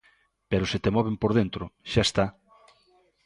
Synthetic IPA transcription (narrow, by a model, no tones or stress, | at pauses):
peɾoset̪emɔβempoɾð̞ent̪ɾoʃaest̪a